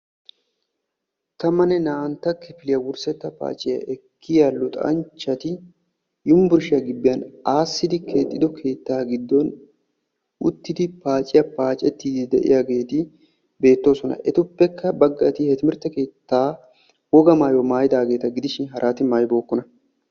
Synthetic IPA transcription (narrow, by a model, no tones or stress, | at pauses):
t̪ɐmɐnɛnaːnt̪ːɐkɪfɪlɪjɐwʊɾsɛt̪ːɐpa̰ːt͡ʃʼːɪjɐ̰ʔɛkʰːɪjalʊt̪ʼɐ̰nt͡ʃːɐt̪ɪ | jʊmbʊɾʃɪjɐɡɪbːɪjɐnaːsːɪd̪ɪkʰe̞ːt̪ʼːɪd̪ɔkʰe̞ːt̪ːaːɡɪd̪ːɔn | ʊt̪ːɪd̪ɪpaːt͡ʃʼːɪjɐpaːt͡ʃʼɛt̪ːiːd̪ɪd̪ɛ̰ʔɪ̰jaːɡe̞ːt̪ɪ | be̞ːt̪ːo̞ːsɔnɐ̰ʔɛt̪ʊpːɛkːɐbɐɡːɐt̪ɪhɛt̪ɪmɪɾt̪ɐke̞ːt̪ːaː | wɔɡɐmaːjɔmaːjd̪aːɡe̞ːt̪ɐɡɪd̪ɪʃɪnɦɐɾʔaːt̪ɪmaːjbo̞ːkːʊnɐ